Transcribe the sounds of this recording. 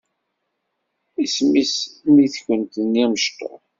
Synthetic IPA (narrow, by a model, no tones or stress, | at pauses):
ismismiθçənt̪əniməʃt̪o̰